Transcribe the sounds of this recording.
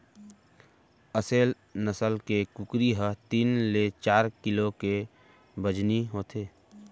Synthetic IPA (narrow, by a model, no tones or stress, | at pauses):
əseːl | nəsəlkekʊkɾiɦət̪iːnlet͡ʃaːɾkɪloke | bəd͡ʒniɦoːt̪ʰeː